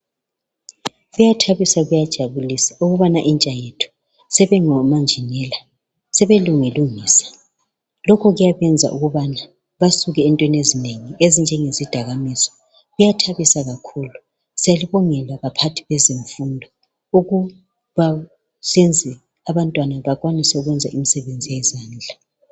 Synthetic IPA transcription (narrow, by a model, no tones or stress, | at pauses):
ɣujatʰaβisaɣujad̥ʒ̥ʱaβulisauɣuβanaʔint͡ʃʼajetʰu̥ | sɛβɛŋɔmand͡ʒʱinɛla | sɛβeluŋiluŋiːsḁ | lɔkʰɔɣujaβɛnd͡zʱa̰ʔuɣuβana | βasuɣɛːntʼwɛnezineŋiezind͡ʒʱɛŋezid̥ʱaɣamisɔ̥ | ɣujatʰaβisaɣakʰuːlu | sijaliβɔŋɛlwaβapʰatʰi̥βɛziɱfundʱɔ | uɣu | βa | send͡zʱi | aβantʼwanaβaɣwanisɛuɣwɛnd͡zʱa̰ʔimisɛβend͡zʱijɛzaːnd͡ɮʱa